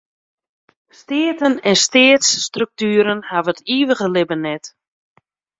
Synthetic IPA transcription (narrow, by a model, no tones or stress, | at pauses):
stɪːtənɛnstɪːtsːtrɵk̚tyːɾənhavətiːʋəɣəlɪbənɛt